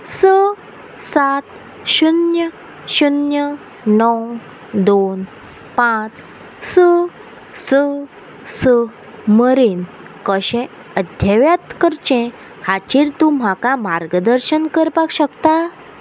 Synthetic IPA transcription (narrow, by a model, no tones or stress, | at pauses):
sə | sat̪ | ɕunjə | ɕunjə | nɔw | d̪on | pãt͡s | sə | sə | sə | məɾiːn | kəɕẽ | əd̪ʱjəʋjat̪kəɾt͡ɕẽ | hat͡ɕiɾt̪um̤akamaɾɡəd̪əɾɕənkəɾpakɕəkt̪a